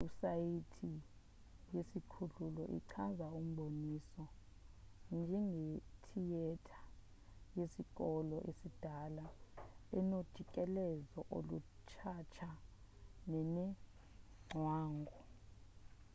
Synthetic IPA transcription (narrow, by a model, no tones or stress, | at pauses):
usajitʰi | jesikʰululɔʔḭǀʰazaum̩ɓonisɔ | nd͡ʒʱɛŋɡetʰijɛtʰḁ | jesik̬ʼɔlɔʔesid̥ʱalaɛnod̥ʱikʼɛlɛzɔʔo̰lut͡ʃʰat͡ʃʰa | nɛnɛ | ŋ͡ǀʱwaːŋɡʱɔ